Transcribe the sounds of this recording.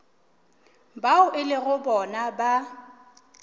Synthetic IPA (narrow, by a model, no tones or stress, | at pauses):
baʊʔɪlɪɣʊbɔnaba